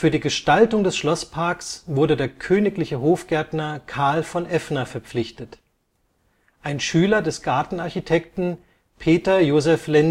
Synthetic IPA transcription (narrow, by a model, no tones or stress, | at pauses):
fyːɐdiːɡəʃtaltʊŋdɛsʃlɔspʰaɐksv̥ʊɐdədeːɐkʰøːnɪklɪçəɦoːfɡ̥ɛɐtnɐkʰaɐlfɔnʔɛfnɐfɛɐp͡flɪçtət | ʔaɪnʃyːlɐdɛsɡ̥aɐtn̩aɐçitʰɛktn̩ | pʰeːtɐjoːzɛflɛn